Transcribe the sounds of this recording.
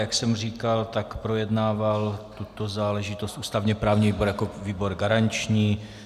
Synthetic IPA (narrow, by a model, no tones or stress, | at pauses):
jaksɛmr̝iːkalt̪akpɾo̞jɛdnaːvalt̪ut̪o̞zaːlɛʒɪt̪ost̪ʔuːst̪avɲɛpɾaːvɲiviːboɾjakoviːbo̞ɾɡaɾant͡ʃɲiː